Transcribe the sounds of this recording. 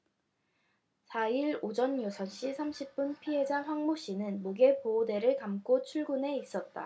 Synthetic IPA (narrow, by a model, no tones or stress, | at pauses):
sʰaiɾod͡ʑʌnjosʰʌnɕ͈isʰamɕʰip̚p͈unpʰiɦe̞d͡ʑaŋɸwaŋmoɕ͈inɯnmoɡe̞poːde̞ɾɯɭkamk͈ot͡ɕʰuɭɡune̞is͈ʌt̚t͈a̰